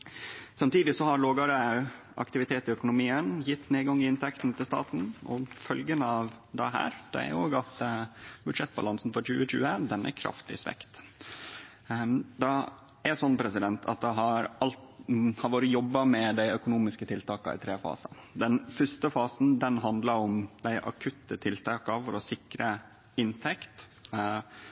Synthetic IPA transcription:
sɑmt̪iːd̪ɪsɔhɑɾloːɡɑɾə | ʔɑ̰kt̪ɪʋɪt̪ʰeːt̪ɪœkʊnʊmiːənjɪt̪ːneːɡɑŋːɪɪnt̪ʰɛkt̪n̩t̪ʰɪlst̪ɑ̰ːt̪n̩ɔfœlɡənɑʋ | d̪ɛɦæ̰ːɾd̪̥ɛ̰æ̰ɾoːɡɑt̪bʉd̪ʂɛt̪ːbɑlɑnsn̩fɔɾçʉːəc͡çʉ̰ːəd̪ɛnæ̰ɾkʰɾɑ̰ft̪ʰɪ̰sʋɛ̰kt̪ | d̪ɑ | æsɔnːpʰɾɛsɪd̪ɛnt̪ʰɑ̰t̪̚d̪ɛɦɑɾɑlt̪hɑɾʋoːɾəjɔbːɑmɛd̪æɪœkʊnuːmɪskət̪ʰɪlt̪ɑːkɑ̰ɪ̰t̪ʰɾeːfɑ̰ːsɑ̰d̪ɛnfœst̪əfɑːsn̩d̪ɛnɦɑnd̪lɑɾʊmd̪æɪʔɑ̰kʰʉt̪ːət̪ʰɪlt̪ʰɑːkɑfɔɾɔsɪkɾə | ɪnt̪ʰɛkt̪

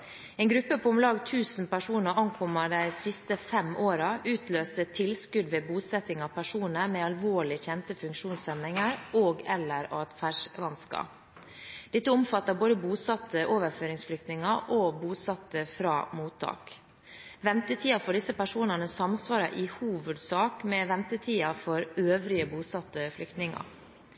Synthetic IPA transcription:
ɛːnɡɾʉpːəpʰɔmlɑːɡt̪ʰʉːsn̩pæʂuːnəɾʔɑŋkʰɔməɖæɪsɪst̪əfɛmoːɾɑʔʉːt̪ʰløːsət̪ʰɪlskʉd̪ʋeːbuːsɛt̪ɪŋɑʋpʰæʂuːnəɾmeːɑlʋoːɭɪçɛnt̪əfʉŋkʃuːnsɛmɪŋəɾoːɡɛlːəɾoɛt̪fæʂʋɑnskɑ̰ | d̪̥ɪt̪ːəʊmfɑt̪ːɑboːd̪əbuːsɑt̪ːəʔoːʋəɾføːɾɪŋsflʏk̚t̪nɪŋɑʔoːbuːsɑt̪ːəfɾɑ̰ːmuːt̪ʰːɑ̰ːk | ʋɛnt̪ət̪ʰiːɑfoːɖɪsəpæʂuːnənəsɑmsʋɑːɾɑ̰ʔɪhuːʋəd̪sɑːkmɛʋɛnt̪ət̪ʰiːɑfɔɾøːʋɾɪəbuːsɑt̪ːəflʏkt̪nɪŋɑ̰ɾ

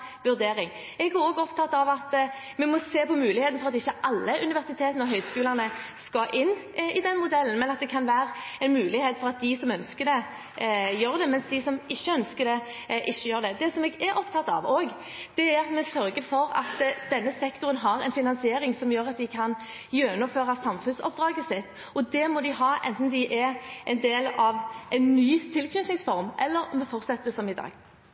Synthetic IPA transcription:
ʋʉɾd̪eːɾɪŋ | ɛɡæoːɡɔpt̪ʰɑt̪ːɑʋɑt̪ | mɛmɔseːpɔmʉːlɪheːt̪n̩fɔɾɑt̪ɪçːəʔɑlːəʔʉnɪʋæʁsɪt̪ʰeːt̪ənəɔɦœʏskʉːlənə | skɑʔɪnː | ɪd̪ɛnmʊd̪ɛlːənmɛnɑt̪̚d̪ɛkʰɑnʋæːɾɛnmʉːlɪheːt̪fɔɾɑt̪̚d̪ɪsɔmœnskəd̪ɛ | jøːɾd̪ɛmɛnsd̪ɪsɔmɪçːəœnskəd̪ɛ | ʔɪçːəjøːʁd̪ɛd̪ɛsɔmɛɡæɾʔɔpt̪ʰɑt̪ːɑ̰ʋoːɡ | d̪̥ɛæɾɑt̪mɛsœɾɡəfɔɾɑ̰t̪d̪̥ɛnːəsɛkt̪ʊɾənɦɑɾɛnfɪnɑnsɪeːɾɪŋsɔmjøːɾɑt̪̚d̪ɪkʰɑn | jøːnʊføːɾɑsɑmfʉnsɔ̰p̚d̪ɾɑːɡəsɪt̪ː | ɔd̪ɛmɔd̪ɪɦɑːʔɛ̰nt̪n̩d̪ɪʔæʔɛnd̪eːlɑʋʔɛɪnːyːt̪ʰɪlkʰnʉt̪nɪŋsfɔɾmʔɛlːəɾɔmːɛfɔɾt̪sɛt̪ːəsɔmɪd̪ɑ̰ːɡ̥

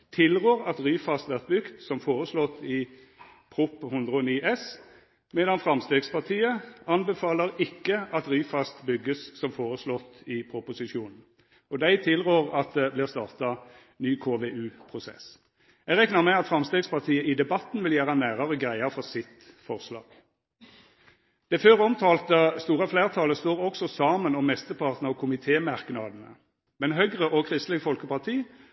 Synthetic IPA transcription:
t̪ʰɪlʁøːʁɑt̪ʁyːfɑst̪ʋæʁt̪̚bʏɡt̪sɔmfoːʁəslɔt̪ːɪ | pʰɾʊphʊnd̪ʁəɔniːʔɛs | mɛd̪ɑnfɾɑmst̪eːɡspʰɑʁt̪ʰiːəɑnbɛfɑːləɾɪkːəɑt̪ʁyːfɑst̪bʏɡːəssɔmfoːʁəslɔt̪ːɪpʰɾʊpʊsɪʂuːnn̩ | ɔd̪æɪt̪ʰɪlʁøːʁɑt̪̚d̪ɛblɪʁst̪ɑːʁt̪ɑ | nyːkʰoːʋeʉːpʰʁʊsɛ̰s | ɛɡʁɛknəʁmɛɑt̪fʁɑmst̪eːɡspɑʁt̪ʰiːəʔɪd̪ɛbɑt̪n̩ʋɪljæːʁənæːʁəʁəɡʁæɪəfɔʁsɪt̪ | fɔʁslɑ̰ːɡ̥ | d̪̥ɛføːʁɔmt̪ʰɑːlt̪əst̪uːʁɑfleːʁt̪ʰɑːləst̪oːʁɔksɔsɑːmənɔmːɛst̪əpʰɑʁt̪n̩ɑkʰʊmɪt̪ʰeːmɑʁknɑd̪ən̩ə̰ | mɛnɦœɡʁəʔɔkʰʁɪst̪lɪɡfɔlkəpɑʁt̪ʰiː

